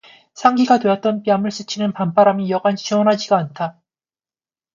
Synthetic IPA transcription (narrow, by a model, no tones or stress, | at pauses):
sʰaŋɡiɡatweʌt̚t͈ʌnpiamɯɭs͈ɯt͡ɕʰinɯnpampaɾamijʌɡant͡ɕʰiwʌnɦad͡ʑiɡaantʰa